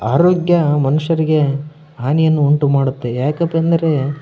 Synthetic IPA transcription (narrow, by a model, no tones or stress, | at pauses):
aːɾoːɡjɐmɐnuʂɐɾiɡe̞ | ɦaːnijɐnːuuɳʈumaːɽut̪ːe̞jaːkɐpːɐnd̪ɐɾe̞